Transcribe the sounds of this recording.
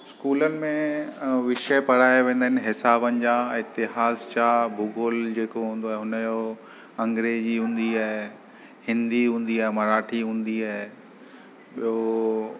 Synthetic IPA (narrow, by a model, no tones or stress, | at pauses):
skuːlənɪ̆mẽʋɪʃəpɐɽ̤aːeʋẽːnd̪ənɪ̆ɦɪsaːbənɪ̆d͡ʑãːɪt̪ɪɦaːzt͡ɕabʱuɡoːld͡ʑeːkoɦũːnd̪oɛɦʊnəjo | ɐ̃ŋɡɾeːd͡ʑiɦũːn̆d̪iaɦe | hɪ̃nd̪iɦũːn̆d̪iaɦɪmɐɾaːʈʰiɦũːn̆d̪iaɦe | ɓijo